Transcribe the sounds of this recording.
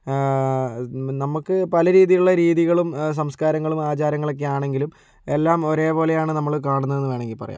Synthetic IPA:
nɐmukːɨpɐlɐɾiːðijuɭːɐɾiːðiɣɐɭums̬ɐmskaːɾɐŋːɐɭumaːt͡ɕaːɾɐŋːɐɭo̞kːe̞aːɳe̞ŋɡilum | e̞lːaːmo̞ɾe̞ːpo̞ːle̞jaːɳɨnɐmːɐɭkaːɳunːɐðe̞nːuʋe̞ːɳeŋɡilpɐrɐj̰

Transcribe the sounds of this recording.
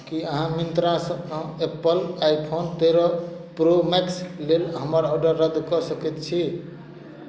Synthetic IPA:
kiəɦãmint̪ɾasə̃epəlajpʰont̪eɾɔ | pɾomekslelɦəməɾɔɖəɾːəd̪kɔsəket̪t͡ʃʰi

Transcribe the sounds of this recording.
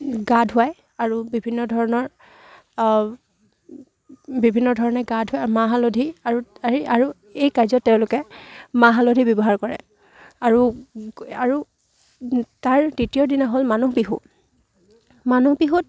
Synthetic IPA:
ɡadʱʊaj | aɹubibʱinːɔdʱɔɹɔnɔɹ | bibʱinːɔdʱɔɹɔnɛɡadʱʊamaɦalodʱiaɹuaiaɹu | ejkajzɔtːɛʊ̃lʊkɛmaɦalodʱibjɔbɔɦaɹkɔɹɛ̰ | aɹu | aɹu | taɹditiɔdinaɦolmanuɦbiɦṵ | manuhbiɦut̚

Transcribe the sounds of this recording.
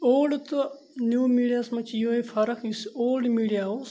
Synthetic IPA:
oːlɖt̪u | njuːmiːɖijasmɐt͡ʃʰijoːefʰɐɾɐkʰisoːlɖmiːɖijaos

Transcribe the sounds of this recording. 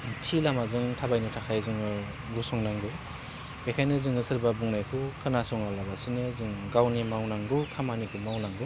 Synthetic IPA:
tʰilamazɯŋtʰabajnɯtʰakʰajzɯŋɯ | ɡusɔŋnaŋɡɯ | b̥ekʰajnɯzɯŋɯsɯɾbabuŋnajkʰɯkʰɯnasɔŋalabasinɯzɯŋɡawnimawnaŋɡɯkʰamanikʰɯmawnaŋɡu

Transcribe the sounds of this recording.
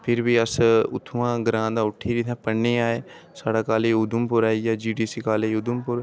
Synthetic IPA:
pʰɪɾbiːəsʊ̰t̪ʰːuãːɡəɾãːd̪ãːʊʈʰːiːɾit̪ʰãːpəɳːeːaːeː | saːɽaːkaːleːʊd̪ʊmpʊɾaːijaːd͡ʒiːɖiːsiːkaːleːʊd̪ʊmpʊɾ

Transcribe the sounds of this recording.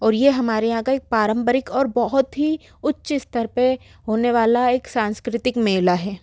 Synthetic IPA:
ɔːɾjeɦɐmaːɾeãːkaeːk̚pɾaːɾə̃mbəɾɪkɔːɾbɐɦʊt̪ɦi | ʊtːʃɪst̪əɾpe | ɦoːneʋaːlaeːksãːnskɾɪt̪ɪkmeːlaɦɛː

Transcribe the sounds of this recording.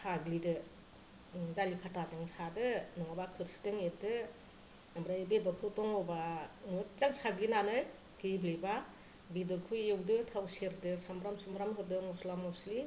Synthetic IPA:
sʰaɡlidɯ | dalikʰatazɯŋsadɯnɯŋabakʰɯɾstɯŋedɯ | namɾajebedɔɾkʰɯtɔŋɔbamt͡ʃaŋsʰaɡlinanɯj | ɡibliba | bidɔɾkʰuewdɯtʰawseɾdɯsambɾamsumɾamɦɯdɯmɔslamɔsli

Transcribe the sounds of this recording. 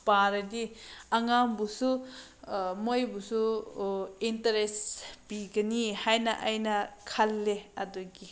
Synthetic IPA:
paɾɐdiaŋambusu | mojbusu | intaɾespiɡɐnihajnɐʔajnɐkʰalːeɐdɔɡi

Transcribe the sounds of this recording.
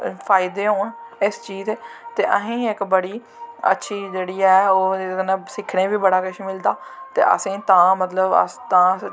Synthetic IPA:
pʰaːɪd̪eːɦõːɪst͡ʃiːzeːt̪eːʔə̰ɦẽːɪkbəɽiː | ə̰tːʃʰiːd͡ʒeːɽiːɛːoːənesɪkʰːɽẽːʋiːbəɽaːkəʃiːmɪld̪aːt̪ḛːʔə̰sẽːt̪ãːmət̪ləbə̰st̪ãː

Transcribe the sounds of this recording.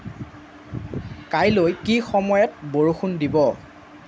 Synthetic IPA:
kajlojkixɔmɔjɔt̚boɹuxundibɔ

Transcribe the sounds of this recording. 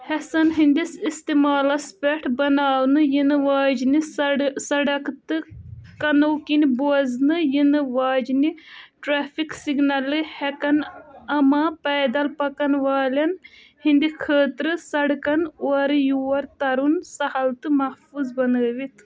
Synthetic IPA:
hɛsɐnɦind̪isist̪imaːlɐspeʈʰbɐnaːwnɨjinɨʋaːd͡ʒnisɐɽɐkt̪ɨkɐnɐwkiniboɐznɨjinɨʋaːd͡ʒniʈɾaːfʰiksiɡnɐlːɨhɛkɐnɐmapɛːd̪ɐlpɐkɐnʋaːlɐn | hind̪ikʰəːt̪ɾɨsɐɽkɐnoɐɾɨjuwɐɾt̪ɐɾunsɐhɐlt̪ɨmɐhfuzbɐnəːʋit̪ʰ

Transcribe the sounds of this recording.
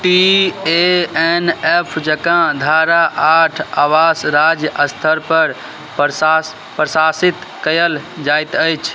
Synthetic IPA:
ʈieenepʰd͡ʒəkãd̪ʱaɾaʔaʈʰaʋasɾad͡ʒjəʔəst̪ʰəɾpəɾ | pɾas | pɾəsasit̪ | kəjəld͡ʒajt̪əjt͡ʃʰ

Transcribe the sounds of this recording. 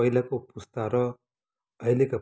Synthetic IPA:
ʌjlakopust̪aɾʌ | ʌjleka

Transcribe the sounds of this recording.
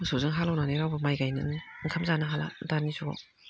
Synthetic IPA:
sozɯŋɦalawnaneɾawbamajɡajnɯ̰ŋkʰamzanaɦala̰ndanisʰuɡa̰

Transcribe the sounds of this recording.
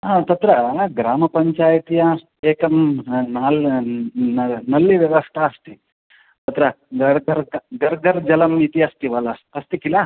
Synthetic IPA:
ɦaːt̪ɐt̪ɾɐɡɾaːmɐpɐɲt͡ʃaːjɐt̪ijɐ | eːkɐmnaːl | nɐnɐlːiʋjɐʋɐst̪ʰaɐst̪i | t̪ɐt̪ɾɐ | ɡɐɾɡɐɾɡɐɾɡɐɾd͡ʒɐlɐmit̪iɐst̪iʋɐlɐɐst̪ikilɐ

